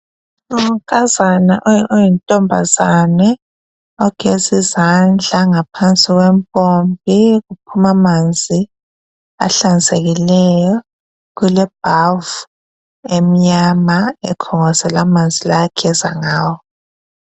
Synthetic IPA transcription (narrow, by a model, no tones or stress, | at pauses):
ŋɔkʼazanaʔɔɔjintʼɔmbʱa̰zanɛ | ɔɡ̥ʱezizand͡ɮʱaŋapʰant͡sʼiɣwempʼombʱiɣup̚ʰumamand͡zʱi | a̰ɬand͡zʱʼeɣilɛjɔ | ɣulɛb̥̚ʱavu | emiɲamaɛkʰɔŋɔzɛlamand͡zʱilakʰɛzaŋaːwɔ